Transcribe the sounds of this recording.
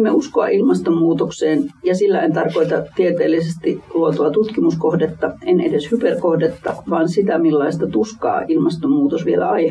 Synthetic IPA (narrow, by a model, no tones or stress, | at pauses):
mːeuskoɑ̰ʔilmɑst̪ommuːt̪okseːnjɑsilːæent̪ɑrkoit̪ɑt̪iet̪eːlːˑisest̪iluot̪oɑt̪ut̪kimuskohdet̪ːɑenedeshyperkohdet̪ːɑʋɑːnsit̪æmilːɑist̪ɑt̪uskɑ̰ːʔilmɑst̪omuːt̪osʋielæ̰ɑi